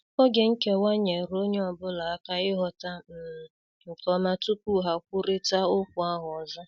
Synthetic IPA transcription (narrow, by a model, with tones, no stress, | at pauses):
ɔ˦ɡe˨ŋ̩˦ke˦wa˦ɲe˨ɾo˦ɲe˦ɔ˨bʊ˦la˨a˦ka˦ɪ˦ɦɔ˨ta˦m̩˨ | ŋ̩˨kɔ˦ma˦tu˦p̚u˦ɦa˨k̚ʷʊ˦ɾɪ˦ta˦ʊ˦kʷʊ˨a˦ɦʊ˨ɔ˨zɔ˦